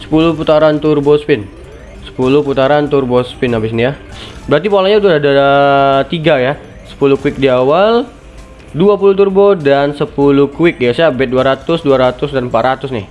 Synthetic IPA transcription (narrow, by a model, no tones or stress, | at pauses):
sə̥pulʊput̪aɾant̪ʊrbospɪn | sə̥pulʊhput̪aɾant̪urbosə̥pɪnabɪs̬nijabəɾat̪̬ipolaɲaut̪ʊada | t̪iɡaja | sə̥pulʊkuɪk̚diawal | duapuluht̪urbodansəpulʊkuwɪk̚jasabɛt̪̚duaɾat̪ʊsduaɾat̪ʊsdanmpat̪ɾat̪ʊsnɪ